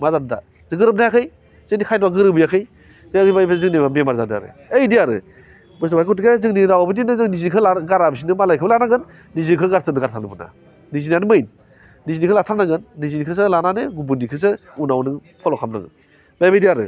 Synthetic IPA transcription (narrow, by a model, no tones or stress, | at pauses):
mazanda̰ | zɯɡɯɾɯp̚najakʰɯj | zɯnikʰajdbaɡɯɾɯbɯjakʰɯj | zɯaɯjbajbazɯŋnibamemaɾzadɯa̰ɾɯ̰ | ejdijaɾɯ̰ | bɯs̬ubajkʰɔtɡezɯŋniɾawabɯdinɯzɯŋnizikʰɯlaɡaɾabis̬inɯmalajkʰɯbɯlanaɡɯnː | izikʰɯɡaɾtʰɯnɯɡaɾtʰanɯbɯna̰ | nizinjanɯmɯjnː | izinikʰɯlatʰanaɡɯnːizinikʰɯs̬ɯlananɯɡubunikʰɯs̬ɯ | unawnɯpʰɔlɔkʰamna̰ɡɯn | bajbajdijaɾɯ̰